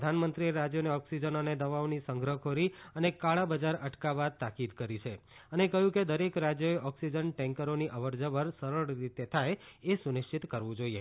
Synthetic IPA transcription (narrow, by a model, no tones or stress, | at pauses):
d̪ʱanmənt̪ɾieɾad͡ʒjoneɔksid͡ʒənoned̪əʋaʋnisəŋɡɾəkʰoɾiənekaɭabəd͡ʒaɾəʈkabad̪̚t̪akid̪kəɾit͡ʃʰeənekəɦjũked̪əɾekɾad͡ʒjoeʔɔksid͡ʒənʈɛ̃ŋkəɾoniʔəʋəɾd͡ʒəʋəɾsəɾəɭɾit̪et̪ʰajesunɪʃt͡ʃit̪kəɾʋũd͡ʒoie